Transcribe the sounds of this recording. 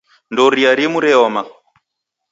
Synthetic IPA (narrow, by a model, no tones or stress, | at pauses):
ndɔɾiaɾimuɾɛɔma